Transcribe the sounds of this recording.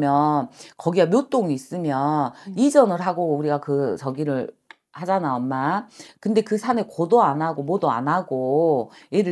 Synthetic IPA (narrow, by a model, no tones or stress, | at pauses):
mjʌnkʌɡiamjot͈oŋiːs͈ɯmjʌnid͡ʑʌnɯɭɦaɡouɾiɡakɯt͡ɕʌɡiɾɯɭ | had͡ʑanaʌmmːakɯnde̞kɯsʰanekodoanaɡomodoa̰naɡojeɾɯ